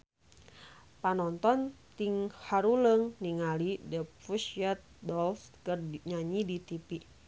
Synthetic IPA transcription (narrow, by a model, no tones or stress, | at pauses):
panɔnt̪ɔnt̪iŋhaɾuləŋniŋalidɛpfusiat̪̚dɔlskərɲaɲidit̪ipi